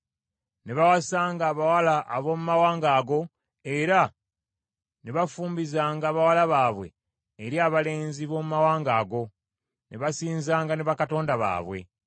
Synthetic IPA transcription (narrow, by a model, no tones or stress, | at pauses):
neβawasaːŋɡaːβawalaʔːβo̞ːmumawaːŋɡaːɡo̞ | eɾa | neβafuːmbizaːŋɡaːβawalaβaːβwe̞̰ː | ɾjaːβale̞ːnziβo̞ːmumawaːŋɡaːɡo̞ | neβasiːnzaːŋɡaneβakato̞ːndaβa̰ːβwe̞̰